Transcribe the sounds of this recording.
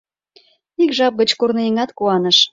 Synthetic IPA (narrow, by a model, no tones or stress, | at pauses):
ikʒɑp̚ɣət͡ɕkurnɤeŋɑt̪kuɑnəʃ